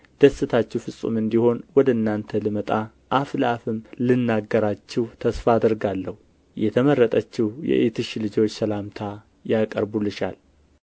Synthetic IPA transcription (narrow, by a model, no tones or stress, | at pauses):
d̪̥əsːɨt̪ʰat͡ʃːɛwfɨsʼṵmɨnd̪iho̞nwɔd̪əɨnːant̪ʰəlɨmət̪ʼa | ʔaflafɨmlɨnːaɡːəɾat͡ʃːɪht̪ʰəsfaːd̪əɾɡalːəhu | jɛt̪ʰəmərːət̪ʼət͡ʃːɪhjɛ̰ʔet̪ʰɨʃlɨd͡ʒo̞t͡ʃːsəlamt̪ʰa | jakʼə̰ɾbulɨʃa̰l